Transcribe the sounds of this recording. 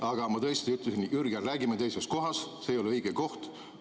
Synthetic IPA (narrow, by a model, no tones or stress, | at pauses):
ɑɡ̥ɑmɑt̪ɤest̪iyt̪ːˑlesinyrɡerːæːɡimet̪e̞jsest̪̚ko̞ɦɑsseːjo̞leɯjɡ̥eko̞ht̪